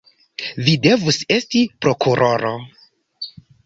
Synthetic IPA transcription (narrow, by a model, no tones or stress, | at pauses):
vide̞vuse̞stipɾo̞kuɾo̞ɾo